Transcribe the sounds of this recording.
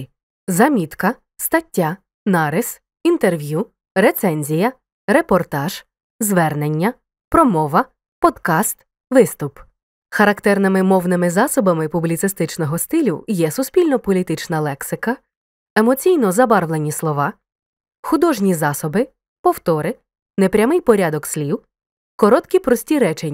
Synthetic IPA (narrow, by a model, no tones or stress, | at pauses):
zɐmʲit̪kɐ | st̪ɐtʲːa | nɑɾɪs | int̪erʋʲju | ɾet̪sɛnʲzʲijɐ | ɾe̞pɔrt̪ɑʒ̥ | zʋɛrnenʲːɐ | pɾɔmɔʋɐ | pɔd̪kɑst̪ | ʋɪst̪ʊp | xɐɾɐkt̪ɛrnɪmɪmɔwnɪmɪzɑsɔbɐmɪpʊblʲit̪ɪst̪ɪt͡ʃnɔɦɔst̪ɪlʲʊ̰jɛsʊsʲpʲilʲnɔpɔlʲit̪ɪt͡ʃnɐlˠɛksɪkɐ | emɔt͡sʲijnɔzɐbɑrʋlˠenʲislˠɔʋɑ | xʊd̪ɔʒnʲizɑsɔbɪ | pɔwt̪ɔɾɪ | nepɾʲɐmɪjpɔɾʲad̪ɔkslʲiw | kɔɾɔt̪kʲipɾɔsʲtʲiɾɛt͡ʃe